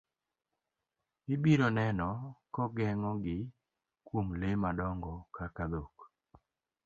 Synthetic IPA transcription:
ɪbiɾɔnɛnɔkɔɡɛŋɔɡɪ | kwomlemadɔŋɡɔkakad̪ok

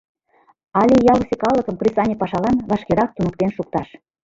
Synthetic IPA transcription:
ɑlʲijɑlsʲekɑlːəkə̆mkrʲisɑnʲepɑʃɑlɑnβɑʃkeɾɑk̚t̪unək̚t̪enʃuk̚t̪ɑʃ

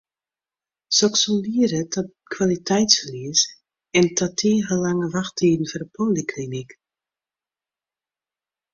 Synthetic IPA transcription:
sɔksɔndiəɾətʰɔ | kʰwalitʰɛjtsfəliəs | ɛntʰatʰiːɣəlaŋəʋaxtiːdn̩fɔrdəpʰoːlikʰlinik

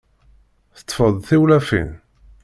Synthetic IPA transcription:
θə̥t̪ːˤfəðˤθiwlæfḭn

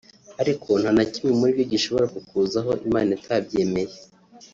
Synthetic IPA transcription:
aɾikʰo̞n̥hanacimimuɾibjoɟiʃo̞βo̞ɾakukuːzaɦo̞ʔimaːnaitʰaːbɟe̞ːme̞je

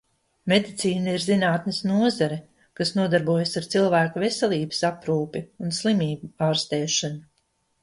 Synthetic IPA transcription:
med̪it̪siːnaiɾzinaːt̪nɪsnuɔzaɾɛ | kasnuɔd̪aɾbuɔjasaɾt̪silˠvæːkavesɛlˠiːbə̥sapɾuːpiunslˠimiːbuaːɾst̪ɛːʃanu

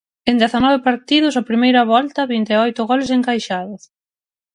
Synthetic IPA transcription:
end̪ɛθɐnɔβepaɾt̪iðʊsɐpɾimejɾɐβɔlt̪ɐβint̪eɔjt̪ʊɣɔles̬eŋkajʃaðʊs

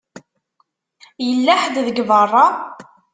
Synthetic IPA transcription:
jəlːæħd̪ðəɡvərˤːɑ

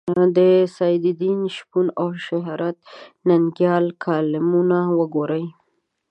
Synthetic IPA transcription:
d̪əsajd̪ɪd̪inʃpunawʃaɦɾat̪̚naŋɡjɑlkʰɑlɪmunawəɡoɾəj

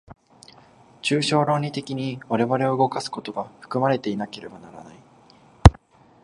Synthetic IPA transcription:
t͡ɕɨːɕo̞ːɾo̞ːɲ̟ʲit̪e̞kʲiɲ̟iβaɾe̞βaɾe̞o̞ɯ̟ɡo̞kasɨ̥ko̞t̪o̞ɡaɸɯ̥kɯ̟maɾe̞t̪e̞inake̞ɾe̞banaɾa̰na̰i

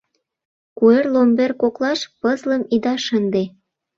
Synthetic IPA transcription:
kuerlomberkoklɑʃpəzlə̆mid̪ɑʃənd̪e

